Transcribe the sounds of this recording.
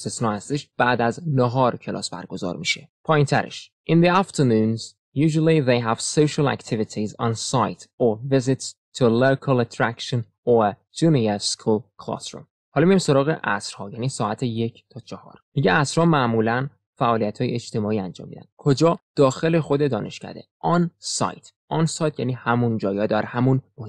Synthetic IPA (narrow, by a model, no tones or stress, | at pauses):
st̪esnɒːhæst̪eʃb̥æːd̪æznoɦɒːɾcʰelʔɒ̰ːsbæ̰ɾɡo̞zɒ̰ɾmiʃepʰɒːjint̪ʰæɾʔḛʃ | ʔinðiæft̪ʰenuːnz | juːʒulˠiðejɦævsoʃɑlæ̰kt̪ʰivit̪ʰizɒnsajt̪ʰovizit̪s | t̪ʰulokʰælæt̪ʰɾækʃon | o | d͡ʒuniaskʰulkʰlɒ̰sɾṵm | hɒːlmijimso̞ɾɒːɣḛʔæ̰sɾhɒːjæːniːsɒːæt̪ʰejecʰt̪ʰɒːt͡ʃʰɒhɒ̰ːɾmiɟeæsɾhɒːmæʔmuːlæn | fæʔɒːlijæt̪hɒːjeet͡ʃt̪e̞mɒːiːænd͡ʒɒ̰ːmḭːd̪æ̰nd̪̥̚kʰo̞d͡ʒɒːd̪̥ɒːxe̞le̞xo̞d̪ed̪ɒːnʔe̞̰ʃcæ̰d̪e̞̰ʔɒnsɒ̰jt̪ʰ | ʔɒnsɒjt̪ʰjæniːhæmund͡ʒɒːjɒːd̪ɒɾhæmunmoh